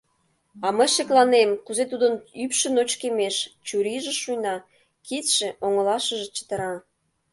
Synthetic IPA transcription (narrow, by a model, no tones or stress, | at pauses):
ɑməjʃeklɑnemkuzet̪̬ud̪ənypʃə̆not͡ɕkemeʃt͡ɕuɾiʒĕʃujnɑ | kit̪ʃĕʔoŋə̆lɑʃə̆ʒĕt͡ɕə̥t̪əɾɑ